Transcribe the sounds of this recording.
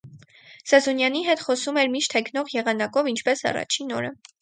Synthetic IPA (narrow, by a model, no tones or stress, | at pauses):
sɛzɔnjɑniɦɛt̪χɔsumɛɾmiʃt̪hɛkʰnɔʁjɛʁɑnɑkɔvint͡ʃʰpɛsɑ̰rɑ̰t͡ʃʰinɔ̰ɾə